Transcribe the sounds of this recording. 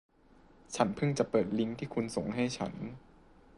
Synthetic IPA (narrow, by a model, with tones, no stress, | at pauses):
t͡ɕʰa˦˥npʰɯ˥˩ŋt͡ɕa˨˩ʔpɤː˨˩t̪̚li˦˥ŋt̪ʰiː˥˩kʰu˧nso˨˩ŋɦa˥˩jt͡ɕʰa̰˦˥n